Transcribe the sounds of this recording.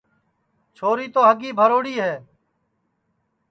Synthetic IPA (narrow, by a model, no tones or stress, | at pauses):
t͡ʃʰoːɾiːt̪oːɦəɡiːbʱəɾoːɽiːɦeː